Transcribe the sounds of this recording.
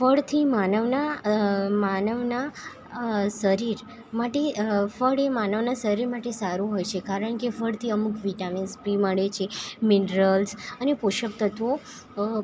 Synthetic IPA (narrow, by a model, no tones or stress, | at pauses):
fəɭt̪ʰimanəʋna | manəʋna | səɾiɾ | maʈefəɭemanəʋnasəɾiɾmaʈesaɾuɦojt͡ʃʰekaɾəɳ̃kefəɭt̪ʰiəmukʋiʈaminspɾiməɭet͡ʃʰeminɾəlsənepoʃəp̚t̪ət̪o